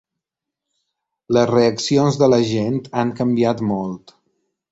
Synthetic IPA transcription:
ləzreəksionzðələʒent̪aŋkəmbiat̪mɔlˠt̪

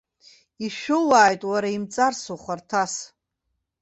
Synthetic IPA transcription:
iʃᶣʊlaːjtʼwaɾaimt͡sʼarsuχʷartʰas

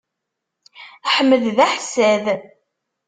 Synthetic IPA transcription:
ħəmːəððæħsæð

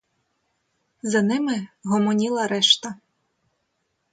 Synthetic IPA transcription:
zɐnɪmɪɦɔmɔnʲilˠɐɾɛʃt̪ɐ

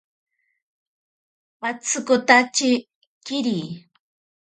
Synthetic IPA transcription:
wat͡sɨkʊt̪at͡ʃɪ | kɪɾiː

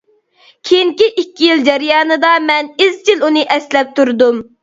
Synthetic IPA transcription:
kʲʰejiŋkʲiʔikʲːijild͡ʒɛɾijɑːnɨd̪ɑmɛnizt͡ʃʰilunɨʔɛslɛp̚t̪uɾd̪um

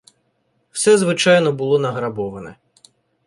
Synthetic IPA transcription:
w̥sɛzʋɪt͡ʃɑjnɔbʊlˠɔnɐɦɾɐbɔʋɐnɛ̰

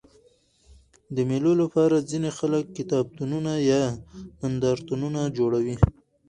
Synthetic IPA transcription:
d̪əmelolapɑɾazinexaləkːɪt̪ɑb̚t̪ununajɑmand̪ɑɾt̪ununad͡ʒoɽawi

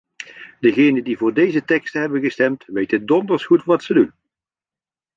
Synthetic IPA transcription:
dəɣejnəndivʊːɹdejzətɛkstəɦɛbənɣəstɛmtʋejtədɔndəɹsχutʋɑtsədun

